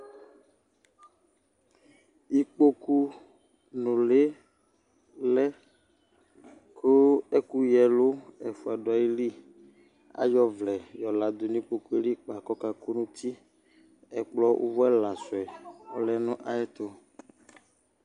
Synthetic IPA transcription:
i˦k͡po˦ku˦ | nũ˨le˦ | lɛ˦ | kʰo˦e˦ku˦jɛ˨lo˦ɛ˨fu˨a˨ɖo˨a˨ji˦li˦ | a̰˦jɔ˦vlɛ˨jɔ˨la˨d̪o˨nĩ˦k͡po˦ku˦e˦li˦k͡pa˨kɔ˦ka˨ko˦nũ˦t̪ʰi˦ | ɛ˨k͡plɔ˦wʔo̰˦vɔ˦ɛ˦la˨sʊ˨ɛ˨ɔ̰˨lɛ˦nũ˦ʔa˨ɛ˦t̪o˦

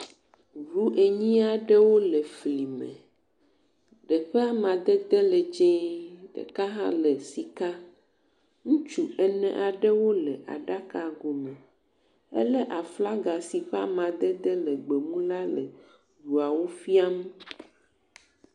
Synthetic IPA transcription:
ɾu˦ʔe˨ɲĩ˦a˨ɖɛ˦wo˦lɛ˨fli˨mɛ̰̃˨ | ɖɛ˨ɸɛ˦a˦mã˨d̪ɛ˦d̪ɛ˦lɛ˨d͡ʒẽ˦ɖɛ̰˨ka˦ɦã̰˦lɛ˨si˨ka˦ | ŋũ˦t͡ʃu˦ɛ˦nɛ̃˨ʔa˨ɖɛ˦wo˦lɛ˨ʔa̰˨ɖa˦ka˨ɡo˨mɛ̃˨ | ɛ̰˦lɛ˦ʔa˨fla˦ɡa˨si˨ɸɛ˦a̰˦mã˨d̪ɛ˦d̪ɛ˦lɛ˨ɡ͡be˨mũ˦la˦lɛ̰˨ | ɖu˨a˨wo˦fi˦a˦m˦

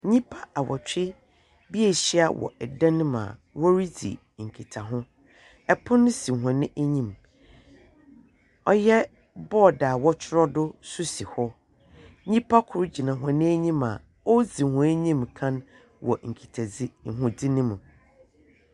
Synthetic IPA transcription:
ɲĩ˦pʰa˦a˨wɔ˨t͡ɕᶣɪ˦ | bi˦ɛ˨ɕi˦a˨wʔɔ̰˨ɛ˨dã˦nʊ̃˦mã̰˨ | wɔ˦ɾi˦d͡zḭ˨ | ŋ̩˨kʰi˨tʰa˨ɦʊ̃˦ | ɛ˨pʰʊ̃˦nʊ̃˦si˨ɦã˨nɪ̃˦ʔæ˦ɲĩ˦˨m | ɔ˦jɛ˦ | bɔː˦˨daː˨wɔ˦t͡ɕʰɪ˦ɾɔ˦dʊ˦su˦si˨hɔ˦ | ɲĩ˦pʰa˦kʰʊ˨ɾʊ˦d͡ʑi˨nã˨ɦã˨nɪ̃˦æ˦ɲĩ˦mã̰˨ | ɔ˦d͡zi˨hʊ̃˨˦æ˦ɲĩ˦mkʰã˦n | wɔ̰˨ŋ̩˨kʰi˨tʰa˨d͡zi˦ŋ̩˨ɦʊ̃˨di˦nɪ̃˦mũ˨

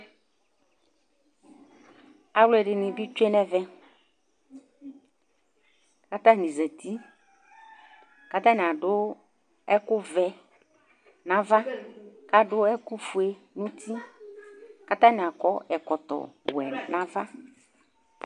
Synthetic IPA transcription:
a˨wlʊ˦ɛ˨ɖɪ˨nɪ̃˨bi˦t͡ʃu˦e˦nɛ˦vɛ˦ | ka˦t̪a˦˨nĩ˨za˨t̪i˦ | ka˦t̪a˦n˨a˨dʊ˦ | ɛ˦kʊ˦vɛ˨ | nã˨va˦ka˦dʊ˦ɛ˦kʊ˦fu˨e˨ | nũ˦t̪ʰi˦ | ka˦t̪a˦nɪ˨a˨kɔ˦ɛ˨kɔ˨t̪ɔ̰˨bwɛ˨nã˦va˦

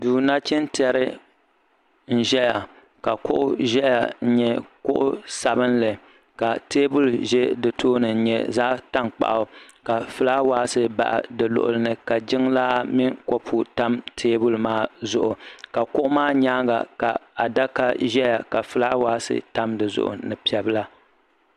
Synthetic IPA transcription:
duː˨na˦t͡ʃɪ˦ntɛ˦ɾɨ˦ | n̩˦ʒɛ˦ja˨ | ka˨kʊ˦ʔʊ˦ʒɛ˦ja̰˨n̩˦ɲɛ˦kʊ̰˦ʔʊ˦sa˨bɨ˦nlɨ˨ | ka˨teː˦bu˨lʒɛ˦dɨ˨tʰoː˦nɨ˨n̩˦ɲɛ̰˦zaː˦ta˦ŋk͡pa̰˨ʔa˨ | ka˨fɨ˦laː˦waː˦sɨ˦ba̰˨ʔa̰˨dɨ˨lʊ̰˨ʔʊ̰˨lɨ˦nɨ˦ka˨d͡ʒɪ˦ŋlaː˦mɪ˦ŋkɔ˦pʰu˨ta˦mtʰeː˦bʊ˨lmaː˦zʊ˨ʔʊ˨ka˨kʊ˦ʔʊ˦maː˦ɲaː˦ɡa̰˨ka˨a˨da˦ka˦ʒɛ˦ja˨ka˨fɨ˦laː˦waː˦sɨ̰˦ta˦mdɨ˨zʊ̰˦ʔʊ̰˨nɨ˨pi˨ɛ˨bɨ˦la˦

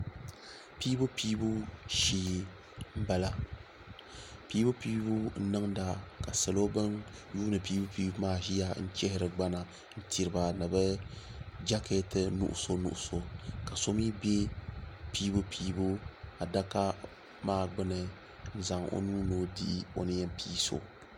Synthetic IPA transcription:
piː˦bu˦piː˦bu˦ʃi˦˨ji˨ | m̩˦ba˦la˦ | piː˦bʊ˦pi˦bu˦n̩˦nɨ˦ŋda˨ka˨sa˨lo˦bɨ˦nju˦nɨ˨piː˦bu˦piː˦bu˦maː˦˨ʒi˦ja˦n̩˦t͡ʃɛ˦hɪ˦ɾɨ˨ɡ͡ba˦na˨ | n̩˦ti˨ɾɨ˨ba˨nɨ˨bɛ˦ | d͡ʒa˦kʰe˦tɨ˦nṵ˦ʔʊ̰˨so˦nṵ˦˨ʔʊ˦˨so˨ka˨so˦mi˦be˦piː˦bu˦pʰiː˦bu˦a˨da˦ka˦ | maː˦ɡ͡bɨ˦nɨ˨ | n̩˦za˨ŋo̰˦nuː˦no˦dḭ˦ʔi˦o̰˨nɨ˦jɛ˦m˦pʰiː˦so̰˨

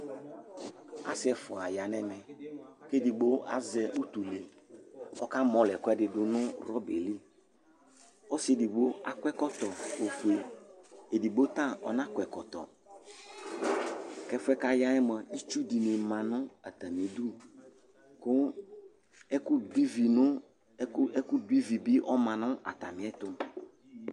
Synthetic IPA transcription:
a̰˦sɪ˨˦ɛ˨fɔ˨a˨ja˨nɛ̃˨nɛ̃˨ke˦di˨ɡ͡bo˦a̰˦zɛ˨ʔu˦t̪u˨le˨ | ɔ̰˦ka˦mɔ̃˨lɛ˨kɔ˦ɛ˦dɪ˨dʊ˨nʊ̃˦ɾɔ˦be˨li˦ | ɔ˦se˦˨di˨bo˦a˨kʷɛ˦kɔ˦t̪ɔ˨o˨fu˨e˨ | e˨di˨bo˦t̪ã˦ɔ̰˨nã˦kɛ˨kɔ˨t̪ɔ̰˨ | kɛ˦fʊ˦ɛ˦ka˦ja˦ɛ˦mə̃˨i˦t͡ʃu˦di˨ne˨mã˨nʊ̃˦a̰˨t̪a˨mĩ˨du˦ | kʊ˦ | ɛ˦kʊ˦di˦vi˨nʊ̃˦ | ɛ˦kʊ˦di˦vi˨bɪ˦ʔɔ˦mã˨nʊ̃˦a̰˨t̪a̰˨mɪ̃˨˦ɛ˦t̪ʊ˦

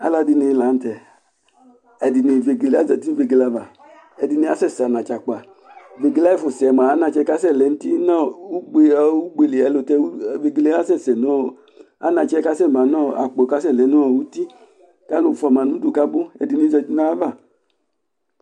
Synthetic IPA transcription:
a̰˨˦la˧di˧ni˧la˨˦n̩˦tɛ˨ | ɛ˨di˨ni˧˨ve˨ɡe˨le˦a˦zɛ˨ti˦ve˧ɡe˧la˨˧va˨ | ɛ˧˨di˧ni˧˦a˦sɛ˦˨sa˨nã˨t͡ʃa˨k͡pa˨ | ve˨ɡe˨˧la˦i˦˨fu˨sɛ˨ma˨a˦na˧˨t͡ʃɛ˧˦ka˦sɛ˦˨lɛ˨n̩˦ti˦nã˦˨u˦ɡ͡be˧u˦ɡ͡be˨le˨ɛ˨˦lo˧tɛ˧u˦˨ve˨ɡe˧le˦a˦sɛ˦˨sɛ˨nɔ˦˨ | a̰˦nã˧t͡ʃɛ˦ka˦sɛ˦˨ma˨nɔ̃˦˨a̰˨k͡po˨ka˦sɛ˦˨lɛ˨˦nu˦ɔ˨wu˦ti˦ | ka˦lo˧˨fɔ˧˨ma˨nũ˨˦du˨ka˦bʊ˦ɛ̰˨di˧ni˧˦zɛ˧ti˦na˦va˦˨

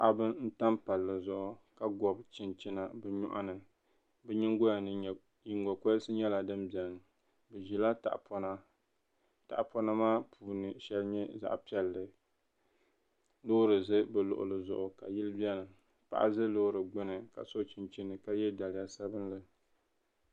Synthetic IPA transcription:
ʔa˨bɨ˦n̩˦ta˦mpa˨lːɨ˨zʊ˨ʔʊ˨ka˦ɡɔ˨bt͡ʃɪ˨nt͡ʃɪ˦na˨bɛ˨ɲɔ̰˦ʔa̰˦nɨ˨ | bɛ˦ɲɪ˦ŋɡo˦a˨nɨ˦˨ | ji˨ŋ˦ɡɔ˨ko˦sɨ˦ɲɛ˦la˨dɨ˦mbi˨ɛ˨nɨ˨ | bɛ˨ʒi˨la˦ta̰˨ʔpɔ˦na˦ | ta̰˨ʔpɔ˦na˦maː˦pʰuː˨nɨ˨ʃɛ˦lɲɛ˦za̰˨ʔpi˦ɛ˨lːɨ˨ | lo˦ɾɨ˨zɨ˦bɨ˨lʊ̰˨ʔʊ̰˨lɨ˨zʊ̰˨ʔʊ˨ka̰˨jɪ˦lɨ˦bjɛ˦nɨ˨ | pa̰˨ʔa̰˦zɨ˦lo˦ɾɨ˨ɡ͡bɨ˦nɨ˨ka̰˨so˦t͡ʃɪ˨nt͡ʃɪ˦nɨ˨ka˦jɛ˦da˨lɪ˨ja˨sa˦bɨ˦nlɨ˨

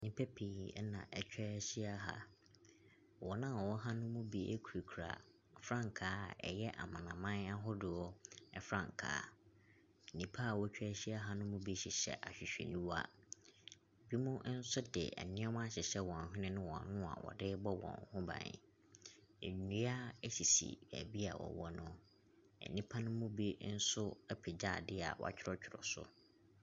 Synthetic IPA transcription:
nĩ˨pʰɛ˦pʰi˨ɛ˦nã̰˨ʔɛ˨t͡ɕᶣɛ˦ɕi˦a˦ɦa̰˦ | wɔ˨nã˦˨ɔ˨wɔ˦ɦa˦nʊ̃˦mʊ̃˦bi˦ʔḛ˦kʰu˨ɾi˨kʰu˨ɾa̰˨ | fɾã˦ŋ˨kʰaː˨˦˨ɛ̰˨jɛ˦ʔa̰˨mã˨nã˨mã˦na˦ɦʊ˦dɪ˨ɔ˦ɛ˦fɾã̰˦˨ŋ˨kʰa̰ː˦˨ | nĩ˨pʰa˦˨wɔ˦t͡ɕᶣɛ˦ɕi˦a˦ɦa˦nʊ̃˦mʊ̃˦bi˦ɕɪ˨ɕɛ̰˦ʔa˨ɕᶣɪ˨ɕᶣɛ̰˨nĩ˦wa̰˦ | bi˦mʊ̃˦n̩˦sʊ˦dɪ̰˨ɛ̰˨nɪ̃˦a˦m̃˦a˦ɕɪ˨ɕɛ˦wɔ̃˨n˨ɦᶣʊ̃˦nɪ̃˦nɪ̃˦wɔ̃˨nʊ̃˦a̰˨wɔ̰˨dɪ˦bɔ˦wɔ̰̃˨ŋ˨hʊ̃˦bã̰˨ɪ̰˨ | e˨u˦a˦ɛ˦ɕi˨sḭ˨bæ̰˨bi˦a̰˨wɔ̰˨wɔ˦nʊ̃˦ | ɛ̰˨nĩ˦pʰa˦nʊ̃˦mũ˦bi˦n̩˦sʊ˦ɛ˦pʰɪ˨d͡ʑaː˦˨dɪ˦˨a̰˨wɔ̰˨a̰˨t͡ɕᶣʰɪ˦ɾɔ˦t͡ɕᶣʰɪ˨ɾɔ̰˨sʊ̰˦

